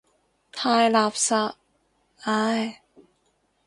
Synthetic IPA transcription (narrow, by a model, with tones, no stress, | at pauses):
t̪ʰaː˧jla˧˥˩p̚sa˧ | ʔa˧˥˩j